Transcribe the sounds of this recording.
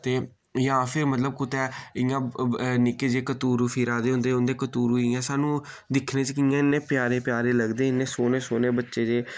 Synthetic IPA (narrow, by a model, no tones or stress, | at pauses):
t̪eː | jãːpʰɪɾmət̪ləb̚kʊt̪ɛːɪjãːnɪkeːd͡ʒeːkət̪uːɾufʰiːɾaːd̪eːɦʊ̃nd̪eːʊnd̪eːkət̪uːɾuiɛ̃ːsaːnũː | d̪ɪkʰnẽːt͡ʃkɪãːɪnːẽːpjaːɾeːpɪjaːɾeːləɡd̪eːɪnːẽːsoːneːsoːneːbətːʃeːd͡ʒeː